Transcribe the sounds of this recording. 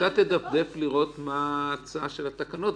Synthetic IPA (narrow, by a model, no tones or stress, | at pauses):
at̪ed̪afd̪e̞fliʁo̞t̪maːt͡saʃe̞lat̪akano̞t̪